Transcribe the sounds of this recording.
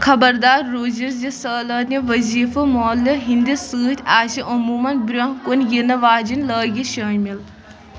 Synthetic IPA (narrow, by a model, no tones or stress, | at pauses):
kʰɐbɐɾd̪aːɾːoːziɾd͡ʒisəːlɐːt̪nʲiʋɐziːfɐmɔːlɐɦind̪isɨːt̪ʰʲaːʃiʔɐmuːmɐnbɾʲɐnkonʲjinɐʋaːd͡ʒinʲləːɡʲiʃɐːnʲmil